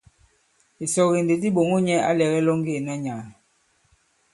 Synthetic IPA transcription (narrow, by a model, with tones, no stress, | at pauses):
i˨sɔ˨ɣi˨n˨de˨di˦ɓo˨ŋo˦ɲɛ˦a̰˦lɛ˨ɣɛ˦lɔ˦ŋ˦e˦˨na˦ɲa˨ŋ˨